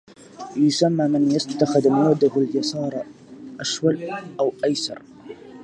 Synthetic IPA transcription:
jʊsamːaːmɪnjast̪ːaxɪðmwaːd̪ʊɦaljɑsˤɑːɾˤ | ʔaʃwalʔawʔajsɑ̰ɾˤ

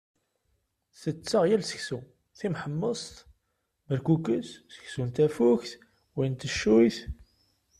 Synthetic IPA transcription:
θət͡sːəʁjælsə̥çsu | θimħəmːəsˤt̪ | məɾkukəsːə̥çsunt̪æfuçθ | wint̪əʃːujθ

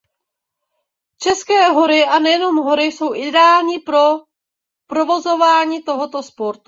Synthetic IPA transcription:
t͡ʃɛskɛːɦo̞ɾɪʔanɛjɛno̞mɦo̞ɾɪso̞wʔɪdɛaːlɲipɾo | pɾovo̞zo̞vaːɲiːt̪o̞ɦot̪o̞spo̞ɾt̪u

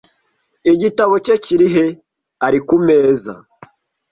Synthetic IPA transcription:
iɟitaβo̞ceciɾiɦe̞ | aɾikume̞ːza̰

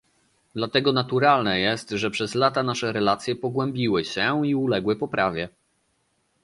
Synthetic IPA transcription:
d̪lat̪ɛɡɔnat̪uɾalnɛjɛst̪ʐɛpʂɛzlat̪anaʂɛɾɛlat̪sʲjɛpɔɡwɛ̃mbʲiwɘɕɛiulɛɡwɘpɔpɾavʲjɛ

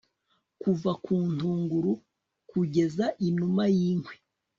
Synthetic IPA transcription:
kuvakʰuːn̥tuːŋɡuɾu | kuɟe̞zaʔinumajiːŋwe

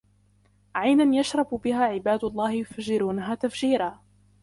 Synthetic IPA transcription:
ʕajnanjaʃɾˤɑbbɪɦaːʕɪbaːd̪ʊɑlˤːɑːhɪjʊfaʒːɪɾuːnaɦaːt̪afd͡ʒiːɾaː

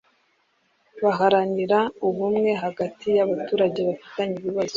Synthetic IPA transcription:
βaɦaɾaniɾauβumŋe̞ɦaɡatʰijaβatuːɾaɟe̞βafi̥taɲiβiβazo

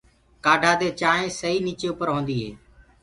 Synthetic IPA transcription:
kaːɖʱaːd̪eːt͡ʃaːɦẽːsəɦiːniːt͡ʃeːʊpəɾɦõːnd̪iːɦḛː

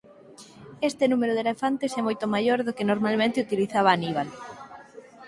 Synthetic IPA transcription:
est̪enumeɾʊðelefant̪esɛmojt̪omajoɾðokenoɾmalmẽnt̪ɪut̪iliθaβ̞aːniβ̞al

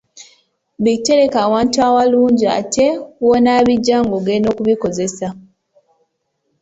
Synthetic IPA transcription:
βitːe̞ɾe̞kaːwaːntuawaluːɲɟia̰tʰe̞wonaːβiɟːaːŋɡoɡeno̞kuβiko̞ze̞sa

